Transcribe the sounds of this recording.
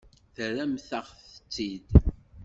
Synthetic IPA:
θəræmθəʁθə̥t͡sːid̪

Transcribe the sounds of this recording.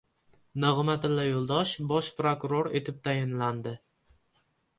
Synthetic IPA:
nɨʁɨmat̪ɪlːajolˠd̪ɒʃbɒʃpɾokʊɾoɾet̪ʰɪp̚t̪ʰajɪnland̪ɪ

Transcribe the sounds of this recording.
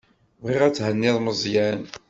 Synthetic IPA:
vʁiʁæt͡sːhənːɪðˤməzˤjæn

